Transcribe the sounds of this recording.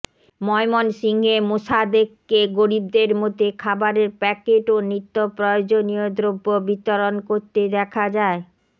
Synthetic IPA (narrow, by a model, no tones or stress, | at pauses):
mɔemonsiŋɦemoʃad̪ekkeɡoɾib̚d̪eɾmot̪ekʰabaɾeɾpɛkeʈonit̪ːopɾɔjod͡ʑoniod̪ɾobːobit̪oɾonkoɾt̪ed̪ɛkʰad͡ʑae